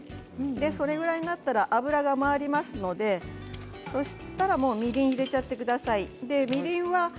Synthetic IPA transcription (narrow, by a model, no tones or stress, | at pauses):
d̪e̞so̞ɾe̞ɡɯ̟ɾaiɲinat̪ːaɾaʔabɯ̟ɾaɡamaːɾʲimasɨno̞d̪e̞ | so̞ɕi̥t̪aɾamo̞ːmʲiɾʲĩɰ̃iɾe̞t͡ɕat̪ːe̞kɯ̟d̪asaid̪e̞mʲiɾʲĩɰ̃βa